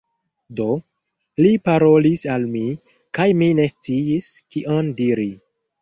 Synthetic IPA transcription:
do̞ | lipaɾo̞lisalmi | kajmine̞st͡siiskiʔondiɾi

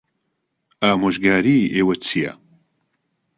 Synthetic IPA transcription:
aːmoʒɡaːɾiːʔeːwɐt͡sʰijɐ̰

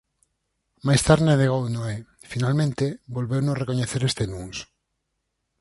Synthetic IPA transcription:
majst̪aɾneðeɣownoɛ | finalmẽnt̪ebolβewnorekoɲeθeɾest̪enuŋs

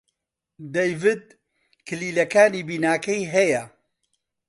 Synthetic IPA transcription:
d̪ejvɨd̪̚ | kʰɨliːlɐkaːniːbiːnaːkɐjɦɛjɐ

